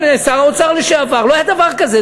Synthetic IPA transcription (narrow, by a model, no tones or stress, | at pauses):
nesaʁaot͡saʁliʃeavaʁloajad̪avaʁkaze